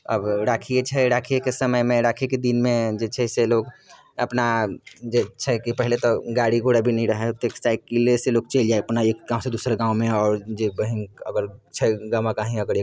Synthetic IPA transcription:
ə̰bɾaːkʰiet͡ʃʰɛɾaːkʰiekesəməjmẽɾaːkʰeked̪inmẽd͡ʒet͡ʃʰɛseloːɡ | ɐpnad͡ʒet͡ʃʰɛkipɛɦlet̪oɡaːɽiɡʱoːɽabʱinɐɦĩɾəɦet̪eːksʈaːɪkkːeleseloːɡ̚t͡ʃeːld͡ʒaːeɐpnaeːkɡãːʊ̃sed̪uːsɾeɡãːwmẽɔːɾd͡ʒebəɦĩəɡəɾt͡ʃʰɛɡaʋãkaɦĩəɡəɾeː

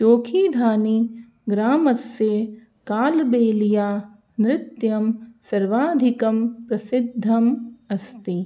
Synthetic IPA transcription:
t͡ʃoːkʰiːd̪ʱaːni | ɡɾaːmɐsje | kaːlbeːlijaː | nɾɪt̪jɐmsɐɾʋaːd̪ʱikɐmpɾɐsɪd̪ʱːɐmɐst̪i

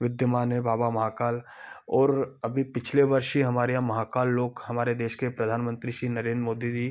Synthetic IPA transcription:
ʋɪd̪jəmaːnẽbaːbamɐɦaːkaːlɔːɾɐbʱipɪt͡ʃʰleʋɐɾʃɦiɦɐmaːɾejãmɐɦaːkaːlːoːkhɐmaːɾed̪eːʃkepɾɐd̪ʱaːnmə̃nt̪ɾiʃɾiːnɐɾeːnd̪ɾmoːd̪id͡ʒi

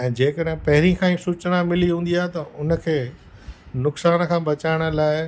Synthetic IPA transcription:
ɛ̃ːd͡ʑeːkəɗɦɪ̃pɐɦɪɾikʰãːĩsuːt͡ɕnamɪliɦũːnd̪iaːɦet̪ɐʊnə̆kʰeː | nʊksaːnəkʰãːbɐt͡ɕaːɪɽ̃ə̆laːɪ

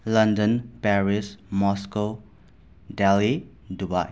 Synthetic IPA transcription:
lãndə̃npɛɹismɔsko | dɛli | duba̰

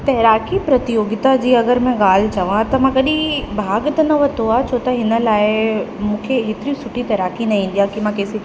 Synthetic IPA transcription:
t̪ɐɦɾaːkipɾɐt̪ɪjoːɡɪt̪ad͡ʑiːɐɡəɾmɛ̃ɠaːl̤ɪt͡ɕɐʋãt̪ɐmãkɐɗĩbʱaːɡt̪ɐnɐʋɐt̪oaːt͡ɕʰoːt̪ɐɦɪnə̆laːɪmũːkʰeɦeːt̪ɪɾiũsʊʈʰit̪ɐɦɾaːkinɐĩĩn̆d̪ijakimãkeːsi

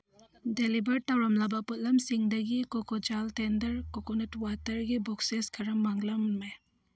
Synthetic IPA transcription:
delibɐɾtɐwɾɐmlabɐput̚lɐmsiŋdɐɡikokod͡ʒaltendɐɾkokonetwatɐɾɡibɔkseskʰɐɾɐmːaŋlɐmme

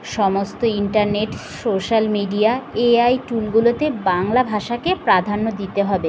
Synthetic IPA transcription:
ʃɔmost̪oiɳʈaɾneʈsoʃalmiɖiaeajʈulɡulot̪ebaŋlabʱaʃakepɾad̪ʱanːod̪it̪eɦɔbe

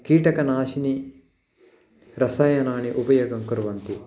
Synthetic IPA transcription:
kiːʈɐkɐnaːʃini | ɾɐsaːjɐnaːɳiʔupɐjoːɡɐŋkuɾʋɐnt̪i

